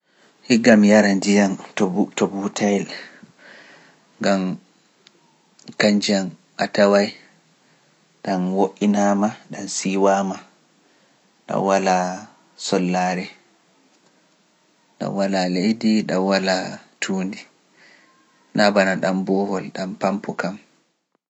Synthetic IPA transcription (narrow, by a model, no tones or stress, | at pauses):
hiɡamjaɾandijantɔutɔbutʰajl | ŋɡam | kaɲd͡ʒianʔatawaj | ɗanwoʔːinamaɗansiwaːma | ɗa̰wala | sɔlːaːɾɛ | ɗa̰nwalalejdiɗawalatʰuːndi | nabanaɗambɔhɔlɗampampʰɔkam